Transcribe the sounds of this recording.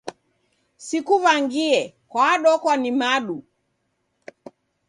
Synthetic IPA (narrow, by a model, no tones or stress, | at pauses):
sikuvaŋɡiɛ | kwaaɗɔkwanimaɗu